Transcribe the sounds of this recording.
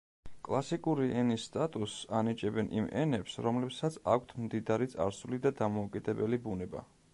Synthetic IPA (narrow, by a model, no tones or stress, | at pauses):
kʼlˠasikʼuɾiʔɛnisːt̪ʼat̪ʼusanit͡ʃʼɛbɛnʔḭmɛ̰nɛpsɾɔmlɛpsat̪sʰakʷʰt̪ʰmd̪id̪aɾit̪sʼa̰ɾsulid̪ad̪amɔukʼid̪ɛbɛlibunɛba̰